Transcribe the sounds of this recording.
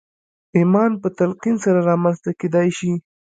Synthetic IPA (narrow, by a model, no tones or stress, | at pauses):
imɑnpət̪alqinsaɾaɾɑmanzst̪aked̪ɑjʃi